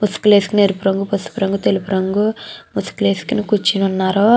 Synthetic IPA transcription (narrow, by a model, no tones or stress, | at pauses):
musu̥kule̞ːskineɾupuɾɐŋɡupɐsu̥puɾɐŋɡut̪elipuɾɐŋɡumusu̥kuleːskinikut͡ʃːinunːaːɾoː